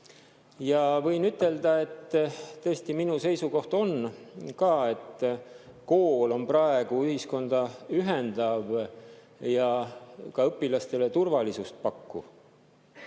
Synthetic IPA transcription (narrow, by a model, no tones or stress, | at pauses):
jɑvɤ̞jnyt̪ːˑe̞ld̪ɑe̞t̪ːɤːst̪iminuse̞jsuko̞ht̪o̞nkɑːe̞t̪ː | ko̞ːlo̞nprɑe̞ɡ̥uyhisko̞nd̪̥ɑyɦend̪̥ɑv | jɑkɑɤpːilɑst̪e̞le̞t̪urvɑlisust̪̚pɑkːṵ